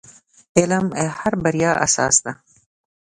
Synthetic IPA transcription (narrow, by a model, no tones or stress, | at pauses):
elamehaɾbaɾjɑʔa̰sɑ̰ːsd̪a